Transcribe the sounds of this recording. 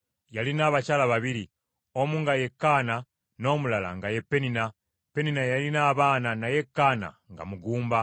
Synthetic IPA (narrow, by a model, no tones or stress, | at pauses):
jalinaːβacalaβaβiɾi | o̞muŋɡaje̞kːaːna | no̞mulala̰ŋɡaje̞pːe̞nina | pe̞ninajalinaːβaːnanaje̞kːaːna̰ | ŋɡa̰muɡuːmba